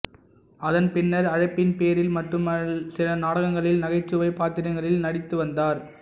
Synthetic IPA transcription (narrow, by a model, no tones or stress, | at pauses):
ɐðɐnpɪnːɐɾɐɻɐɪpːɪnpeːɾɪlmɐʈrɯmɐsɪlɐnaːɽɐɣɐŋɡɐɭɪlnɐɣɐɪt͡ʃːɯʋɐɪpːaːt̪ɪɾɐɪŋɡɐɭɪlnɐɽɪt̪ːɯʋɐnd̪aːɾ